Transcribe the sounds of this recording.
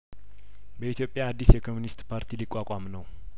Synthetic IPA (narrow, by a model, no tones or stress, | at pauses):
bəit̪jo̞pʼːjaːd̪ːisjɛkʰo̞munist̪pʰaɾt̪ʰilikʼːakʷʼamnəw